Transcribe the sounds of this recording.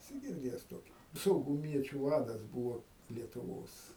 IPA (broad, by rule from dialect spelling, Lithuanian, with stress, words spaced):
ɛˈsʲɪ ɡʲɪrʲˈdʲeːjɛs ˈtoːkʲɪ sɐʊɡʊˈmʲiɛt͡ʃʲʊ ˈʋɑːdɐs ˈbuːʋoː lʲiɛtʊˈʋoːs